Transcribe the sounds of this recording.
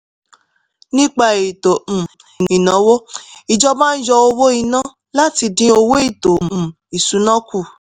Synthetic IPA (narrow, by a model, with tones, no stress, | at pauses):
nĩ˦k͡pa˧˨e˨tõ˨ | i˨n˨ĩ˨nã˨˦wo˦i˨d͡ʒɔ˦ba˦n̩˦d͡ʒɔ˧o˧wo˦i˧nã˦ | la˦ti˧dĩ˧˦o˧wo˦i˦˨tõ˨ | i˨su˨˦nã˦ku˦˨